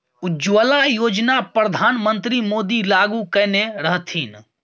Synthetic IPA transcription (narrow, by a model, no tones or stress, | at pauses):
ʊd͡ʒʋəlajoːd͡ʒnapɾəd̪ʱaːnmə̃nt̪ɾimoːd̪ilaɡukɛːneɾəɦt̪ʰiːn